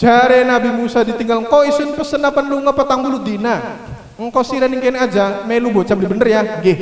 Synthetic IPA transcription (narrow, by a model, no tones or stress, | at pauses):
d͡ʒ̥aɾenabimusadit̪iŋɡalŋkɔisʊnpəsənapənluŋɔpət̪aŋbulud̪ina | ŋ̩kɔsiɾaniŋkenad͡ʒamelubɔt͡ʃablibənərjahɡɪ